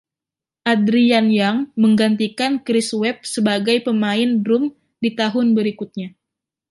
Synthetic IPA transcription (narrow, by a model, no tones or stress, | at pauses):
ʔadɾianjaŋməŋɡant̪̬ikankɾɪswɛp̚səbaɡajpəmaɪndɾʊm | dit̪aɦʊnbəɾikʊt̪̚ɲa